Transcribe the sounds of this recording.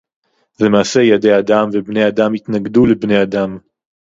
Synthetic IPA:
zemaːse̞jadejad̪amvebne̞jad̪amit̪naɡd̪ulebne̞jad̪am

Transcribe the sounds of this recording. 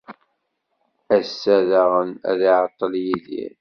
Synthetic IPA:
æsːæðæʁənæ̰ðiʕət̪ˤːəljiðḭɾ

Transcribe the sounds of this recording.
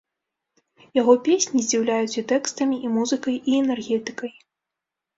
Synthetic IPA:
jaɣɔpʲesʲnʲizʲd͡zʲiwlʲajut͡sʲit̪ɛkst̪ɐmʲiʔimuzɨkɐjʔiɛnɛrɣʲɛt̪ɨ̥kɐj

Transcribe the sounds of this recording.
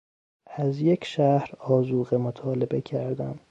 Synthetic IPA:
æzje̞cʰʃæhɾɒːzuːɣemot̪ʰɒːle̞be̞cʰæɾd̪æm

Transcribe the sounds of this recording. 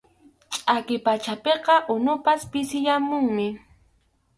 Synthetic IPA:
t͡ʃʼakɪpat͡ʃapeqɑʔʊnʊpaspɪsɪjamʊŋmɪ

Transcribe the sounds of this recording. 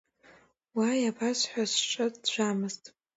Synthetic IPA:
wajabasħʷᶣasʈ͡ʂʼɨdʒʷamɨztʼ

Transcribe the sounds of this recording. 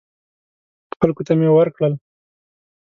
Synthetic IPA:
xalkot̪amewəɾkɽəl

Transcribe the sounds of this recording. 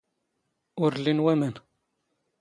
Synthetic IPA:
ʊɾlːinwæmən

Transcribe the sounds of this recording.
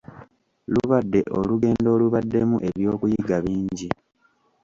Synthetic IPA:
luβadːe̞ʔoluɡe̞ːndo̞ːluβadːe̞muʔe̞βjo̞ːkujiɡaβiːɲɟi

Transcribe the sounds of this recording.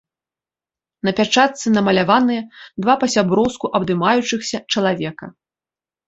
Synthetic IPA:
nɐpʲat͡ʂat̪sɨnɐmɐlʲavanɨjɐd̪vapɐsʲabɾɔwskuʔɐbd̪ɨmajut͡ʂɨxsʲɐt͡ʂɐlˠavʲɛkɐ̰

